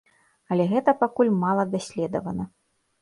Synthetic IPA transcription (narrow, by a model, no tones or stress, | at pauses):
ɐlʲɛɣɛt̪ɐpakulʲmalˠɐd̪asʲlʲɛd̪ɐ̰vɐnɐ